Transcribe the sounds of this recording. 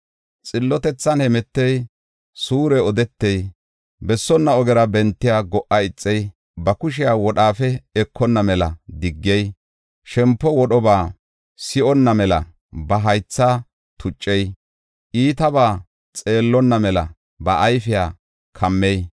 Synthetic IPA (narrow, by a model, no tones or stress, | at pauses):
t͡sʼɪlːɔt̪ɛt͡sːɐnhɛmɛt̪ːɛj | suːɾɛɔd̪ɛt̪ːɛj | bɛsːɔnːɐɔɡɛɾɐbɛnt̪ːɪjaːɡɔʔɐɪt͡sʼːɛj | bɐkʊʃ̬ɪjaːwɔɗaːfɛɛkːɔnːɐmɛlɐd̪ɪɡːɛj | ʃɛmpːɔwɔɗɔbaː | sɪʔɔnːɐmɛlɐ̰ | bɐɦɐjt͡sːa | t̪ʰʊt͡ʃʼːɛj | ʔiːt̪ɐbaː | t͡sʼe̞ːlːɔnːɐmɛlɐ̰ | bɐʔɐjfɪjaː | kʰɐmːɛj